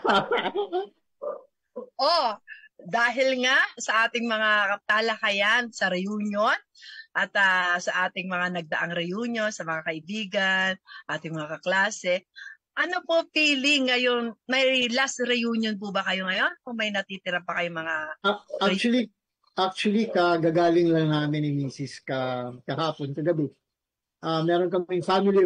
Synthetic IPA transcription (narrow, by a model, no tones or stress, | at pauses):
ʔo | d̪aːɦɪlŋasɐʔaːt̪ɪŋmɐŋat̪aːlɐkɐjansɐɾɛjuːnjonʔɐt̪ɐsɐʔaːt̪ɪŋmɐŋanɐɡ̚d̪ɐʔaŋɾɛjuːnjo̞nsɐmɐŋakɐʔɪbiːɡɐnʔaːt̪ɪŋmɐŋakɐklaːsɛ | ʔɐnopopiːlɪŋːɐjo̞nmɐjlast̪ɾɛjuːnjonp̬ubɐkɐjo̞ŋɐjo̞nkʊŋmɐjnɐt̪iːt̪ɪɾɐpɐkɐjoŋmɐŋaʔaɾt͡ʃuɐli | ʔak̚t͡ʃʊwɐlikɐɡaːɡaːlɪŋlɐŋnaːmɪnɪmiːsɪskɐkɐhaːponkɐɡɐbɛ | ʔamɛːɾonkɐmɪŋfamɪli